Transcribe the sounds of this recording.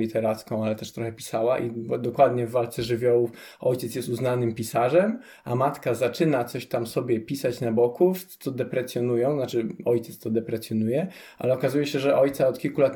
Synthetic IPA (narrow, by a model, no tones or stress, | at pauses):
it̪ɛɾat̪skɔ̃w̃alɛt̪ɛʂt̪ɾɔxɛpʲi̥sawaʔibd̪ɔkwad̪ɲɛvːalt̪sɛʐɘvʲjɔwuf | ʔɔjt͡ɕɛt̪sjɛst̪uznanɘmpʲisaʐɛm | amat̪kazat͡ʂɘnat̪sɔɕt̪amsɔbʲjɛpʲisat͡ɕnabɔkuft̪sɔd̪ɛpɾɛsʲjɔnujɔ̃w̃znat͡ʂɘɔjt̪ɛt̪st̪ɔd̪ɛpɾɛsʲjɔnujɛ | ʔa̰lɛɔkazujɛɕɛʐɛʔɔjt̪saɔt̪kʲilkulat̪